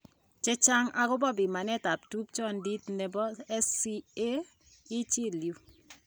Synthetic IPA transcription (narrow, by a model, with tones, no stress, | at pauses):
t͡ʃe˦t͡ʃa˦ŋa˦kʊ˦bɔ˦bɪ˨ma˨nɛ˦ta˨p̚tu˦p̚t͡ʃɔ˦ndi˦tne˨bɔ˦ɛ˦si˦e˦ | ɪ˦t͡ʃi˦lju˨